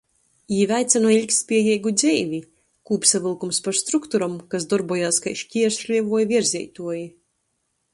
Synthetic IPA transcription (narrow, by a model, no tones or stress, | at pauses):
iːvʲajt̪sanuilʲkspʲiɛjɛjɡud̪zʲɛjvʲi | kuːpsavɨlˠkumspaɾst̪ɾukt̪uɾɔmkas̬d̪ɔɾbuɔjaːska̰jʃcʲiɛɾslʲiɛvuɔjviɾzʲɛ̰jt̪uɔji